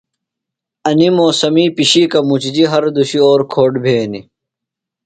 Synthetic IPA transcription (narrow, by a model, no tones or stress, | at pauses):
ɐnimoːsɐmiːpiɕikɐmut͡ɕd͡ʑiɦɐɾd̪uɕioːɾkʰoːɖbʱeːni